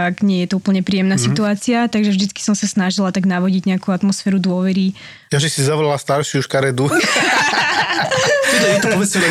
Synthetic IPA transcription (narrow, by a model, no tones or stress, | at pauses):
aɡɲɪɛjɛt̪ɔupl̩ɲɛpɾiːjɛmnasit̪uaːt͡siat̪aɡʒɛvʒd̪it͡ski̥sɔmsasnaʒilat̪aɡnaʋɔɟiɟɲɛakuat̪mɔsfɛːɾud̪ʊɔʋɛɾi | jaʒisizaʋɔlalast̪aɾʃiuʃkaɾɛd̪u | t̪udɛit̪ɔpɔbɛt͡sɛɛ